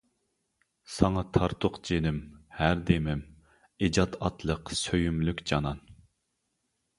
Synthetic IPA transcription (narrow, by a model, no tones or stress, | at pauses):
sɑŋɑt̪ʰɑɾt̪ʰʊqd͡ʒenɪmhæɾd̪emɪm | ed͡ʒɑt̪ɑt̪ʰlˠəqsøjymlykʲd͡ʒɑnɑn